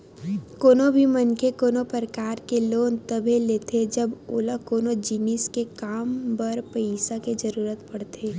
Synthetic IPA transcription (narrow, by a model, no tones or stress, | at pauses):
koːnobʱimɐnkʰekoːnopəɾəkaːɾkeloːnt̪əbʱeleːt̪ʰed͡ʒɐboːlakoːnod͡ʒiniskekaːmbɐɾpəisaked͡ʒɐɾuːɾət̪pɐɽt̪ʰeː